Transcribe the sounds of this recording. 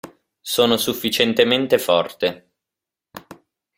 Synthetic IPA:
soːnosufːit͡ʃent̪ement̪efɔrt̪e

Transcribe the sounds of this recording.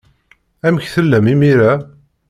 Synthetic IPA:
æməçθəlːəmimiɾa

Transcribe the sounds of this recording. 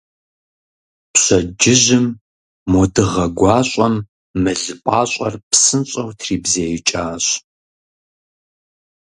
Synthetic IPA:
pɕɐd͡ʒɪʑɪmː | ɔdɨʁɐɡʷɑːɕʷʼɐmː | ɨɮɨpʼaːɕʷʼɐrpsɨnɕʼɐwtʰriːbzeːjt͡ʃʼaːɕ

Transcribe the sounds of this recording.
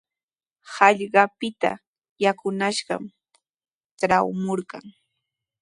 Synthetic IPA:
hɑʎɢɑpɪt̪a̰ | jakʊnaʃɢɑ̰m | ʈ͡ʂɾawmoɾka̰ŋ

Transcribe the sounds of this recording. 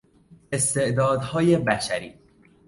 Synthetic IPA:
e̞st̪e̞ʔd̪ɒːd̪hɒːjebæʃæɾḭː

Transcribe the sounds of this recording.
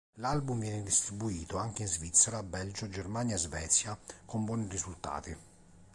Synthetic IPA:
lalbumvjɛːned̪ist̪ɾibuiːt̪oaŋkeinzvit̪sːəɾabɛld͡ʒod͡ʒermanjaezvɛːt̪sjakombwɔːnirizult̪a̰ːt̪i

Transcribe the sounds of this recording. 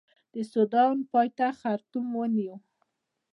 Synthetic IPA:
d̪̥əsʊd̪ɑnpɑjt̪axaɾt̪umwəniw

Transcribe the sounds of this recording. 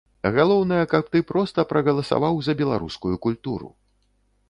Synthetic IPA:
ɣalˠɔwnɐjɐkɐpt̪ɨpɾɔst̪ɐpɾɐɣɐlˠɐsa̰vawzɐbʲɛlˠa̰ɾuskujukulʲt̪uɾṵ

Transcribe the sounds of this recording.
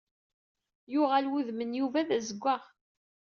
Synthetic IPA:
jʊʁælwuðmənjuvæðæzəɡʷːæʁ

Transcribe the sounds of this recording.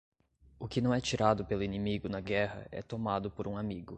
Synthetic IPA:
ʊkɪnɐ̃w̃ɛt͡ʃiɾad̪ʊpelʊinimiɡʊnɐɡɛɦɐ̰ɛ̰t̪omad̪ʊpoɾũamiɡʊ

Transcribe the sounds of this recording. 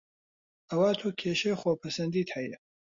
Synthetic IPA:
ɐwaːt̪ʰuːkʲʰeːʃeχoːpʰɐsɐnd̪iːt̪hɐjɛ

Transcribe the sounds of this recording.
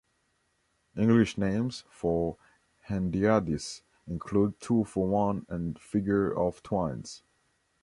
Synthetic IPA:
ɪ̃ŋɡlɪʃnẽɪ̃mz̥fə˞ | hæ̃ndiadis | ɪ̃nkʰlud̚tʰufəwʌ̃nɨ̃nfɪɡjə˞ɔv̥tʰwãɪ̃ns

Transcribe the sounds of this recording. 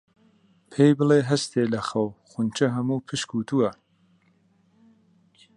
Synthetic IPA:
pʰejbɨleːɦɐst̪ʰeːlɐxɐwxunt͡ʃʰɐɦɐmuːpʰɨʃkuːt̪ʰuwɐ

